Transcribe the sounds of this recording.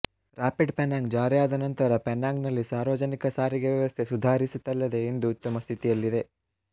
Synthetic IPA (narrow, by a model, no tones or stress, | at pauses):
ɾaːpiɖpenaːŋɡd͡ʒaːɾijaːd̪ɐnɐnt̪ɐɾɐpenaːŋɡnɐlːisaːɾʋɐd͡ʒɐnikɐsaːɾiɡeʋjɐʋɐst̪ʰesud̪ʱaːɾisut̪ːɐlːɐd̪e̞ːnd̪uut̪ːɐmɐst̪ʰit̪ijɐlːid̪e̞